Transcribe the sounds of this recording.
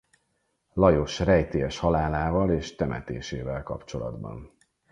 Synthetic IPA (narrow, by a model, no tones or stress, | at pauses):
lɒjoʃrɛjt̪eːɛʃhɒlaːlaːvɒleːʃt̪ɛmɛ̰t̪eːʃeːvɛlkɒ̰pt͡ʃo̞lɒ̰d̪bɒ̰n